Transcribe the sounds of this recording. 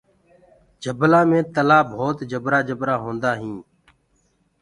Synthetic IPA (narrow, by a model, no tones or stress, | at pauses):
d͡ʒəblãːmẽːt̪əlaːbʱoːt̪d͡ʒəbɾaːd͡ʒəbɾaːɦõːnd̪aːɦĩː